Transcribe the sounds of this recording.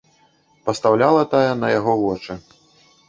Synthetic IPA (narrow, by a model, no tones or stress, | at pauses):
pɐst̪awlʲalˠɐt̪ajɛnɐjaɣɔvɔt͡ʂɨ